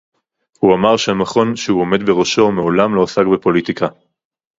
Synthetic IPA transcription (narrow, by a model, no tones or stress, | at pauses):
huamaʁʃeamaχo̞nʃehuo̞me̞d̪beʁoʃo̞meolamloːsaɡbepo̞lit̪ika